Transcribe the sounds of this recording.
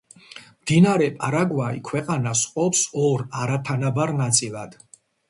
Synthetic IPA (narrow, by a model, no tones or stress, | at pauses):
md̪̥inaɾɛpʼaɾaɡwaḭkʰwɛqʼanasqʼɔpsɔɾaɾat̪ʰanabaɾnat̪sʼilˠad̪̥